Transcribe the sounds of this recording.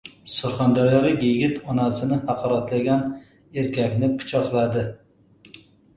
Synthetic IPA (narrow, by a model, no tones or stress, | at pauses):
sʊɾχand̪aɾjɒlɨjeɡʲɪt̪ʰɒnasɪnɪhɑqʰɒɾat̪laɡʲan | e̞ɾkʲakʲnɪpʰʊ̥t͡ʃʰɒqlˠad̪ɪ